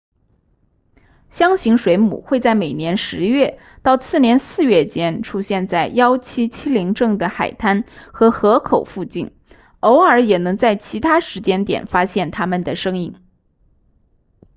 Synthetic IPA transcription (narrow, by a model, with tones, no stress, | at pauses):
ɕjɑ˥ŋɕi˧˥ŋʂwe˧˥ɪmṵ˨˩xwe˥˧ɪt͡sa˥˩ɪme˨˩ɪnjɛ˧˥nʂɻ̩˧˥ɥɛ˥˩ | t̪ɑ˥˧ʊt͡sʰɹ̩˥˩njɛ˧˥nsɹ̩˥˧ɥɛ˥˩t͡ɕjɛ˥nʈ͡ʂʰu˥ɕjɛ˥˧nt͡sa˥˩ɪjɑ˥ʊt͡ɕʰi˥t͡ɕʰi˥li˧˥ŋʈ͡ʂɤ˥˩ŋd̪ə˩xa˨˩ɪt̪ʰa˥nxɤ˧˥xɤ˧˥kʰo˨˩ʊfu˥˧t͡ɕi˥˩n | o˧˥ʊə˞˧˥jɛ˨˩nɤ˧˥ŋt͡sa˥˩ɪt͡ɕʰi˧˥t̪ʰa˥ʂɻ̩˧˥t͡ɕjɛ˥nt̪jɛ̰˨˩nfa˥ɕjɛ˥˩nt̪ʰa˥mə˨nd̪ə˩ʂɤ˥ŋi˥˩ŋ